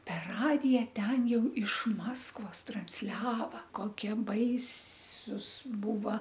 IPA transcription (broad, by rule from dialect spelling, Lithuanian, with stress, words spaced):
pʲɛr ˈrɑːdʲɪjɛ ˈtʲɛn ˈjɛʊ ɪʃ ˈmɑːskʋoːs trɐnʲsʲˈlʲæːʋɐ ˈkoːkʲiɛ ˈbɐɪsuːs ˈbuːʋɐ